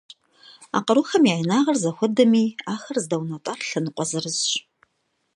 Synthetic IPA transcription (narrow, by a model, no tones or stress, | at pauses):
a̰ːqɐɾuxɐmjaːjnaːʁɐrzɐxʷʊdɐmiːaːxɐrzɨdɐwnɐtʼaːrɬɐnɨqʷɔzɨrɨzɕ